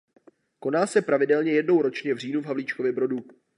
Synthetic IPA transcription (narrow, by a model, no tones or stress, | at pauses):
ko̞naːsɛpɾavɪdɛlɲɛjɛdno̞wɾo̞t͡ʃɲɛvr̝iːnuvɦavliːt͡ʃko̞vjɛbɾo̞du